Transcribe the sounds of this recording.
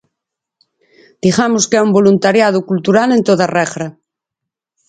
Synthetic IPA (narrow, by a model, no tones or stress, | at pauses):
d̪̥iɣamʊskɛumbolunt̪aɾjaðʊkult̪uɾalent̪oðarɛɣɾa